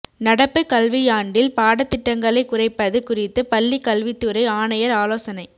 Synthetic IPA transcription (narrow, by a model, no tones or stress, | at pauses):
nɐɽɐpːɯkɐlʋɪjaːɳɖɪlpaːɽɐt̪ːɪʈːɐŋɡɐɭɐɪkːʊrɐɪpːɐðɯkʊrɪt̪ːɯpɐlːikɐlʋɪt̪ːɯɾɐɪaːɳɐjɐɾaːloːsɐnɐɪ